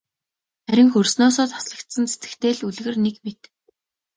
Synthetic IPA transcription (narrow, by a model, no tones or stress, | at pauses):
æɾʲɪ̆ŋxɵrsnɔːsɔːt̪ḁsɮə̆kt̪sə̆nt͡sʰe̥t̪ɘ̥̆kt̪ʰeːɮuɮɣɘ̆rnekmet̪